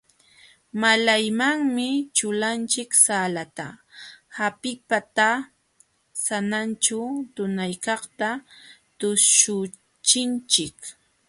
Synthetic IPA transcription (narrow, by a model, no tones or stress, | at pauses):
malajmaŋmɪt͡ʃʊlant͡ʃɪksaːlat̪a̰hapɪpat̪a | sanant͡ʃʊt̪ʊnajkɑχt̪at̪ʊʃʊ | t͡ʃɪnt͡ʃɪk